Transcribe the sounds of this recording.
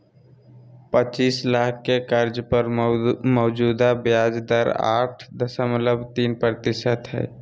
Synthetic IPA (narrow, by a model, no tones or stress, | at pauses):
pət͡ʃiːslaːkʰːekəɾd͡ʒpəɾmɔːd͡ʒuːd̪abjaːd͡ʒd̪əɾa̰ːʈʰd̪əsəmələbt̪iːnpɾət̪ɪsət̪ɦɛ̰ː